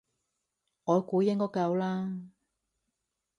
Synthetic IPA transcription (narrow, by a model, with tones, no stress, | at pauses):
ŋɔː˨˧jkuː˨˧jɪ˥ŋkɔː˥kɐ˧wlaː˦˥